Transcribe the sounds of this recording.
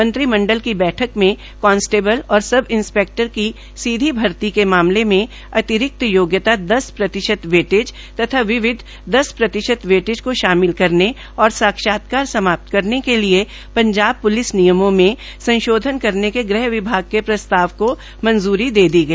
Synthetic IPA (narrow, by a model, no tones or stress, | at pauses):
mɐ̃nt̪ɾimɐ̃ɳɖəlkibɛːʈʰəkmẽ | kɔːnsʈeːbəlɔːɾsɐbʱɪ̃nspeːk̚ʈəɾki | siːd̪ʱibʱɐɾt̪ikemaːmlemẽ | ɐt̪ɪɾɪk̚t̪əjoːɡjət̪ad̪ɐspɾɐt̪ɪʃət̪ʋeːʈɪd͡ʒ | t̪ɐt̪ʰaʋɪʋɪd̪ʱ | d̪ɐspɾɐt̪ɪʃət̪ʋeːʈɪd͡ʒkoʃaːmɪlkɐɾne | ɔːɾsaːkʃaːt̪̚kaːɾsɐmaːp̚t̪kɐɾnekelie | pɐ̃ɲd͡ʒaːb̚pʊlɪsnijəmõmẽsɐ̃nʃoːd̪ʱənkɐɾnekeɡɾɛɦʋɪbʱaːɡ̚kepɾɐst̪aːʋko | mɐ̃nzuːɾid̪eːd̪iɡɐiː